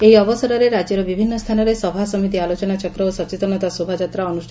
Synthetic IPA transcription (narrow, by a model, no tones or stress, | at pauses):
eiɔbɔsɔɾɔɾeɾad͡ʒiɾɔbibʱinːɔst̪ʰanɔɾesɔbʱasɔmit̪̬ialot͡ʃɔnat͡ʃɔkɾɔosɔt͡ʃet̪ɔnɔt̪asobʱad͡ʒat̪ɾaɔnuʃʰ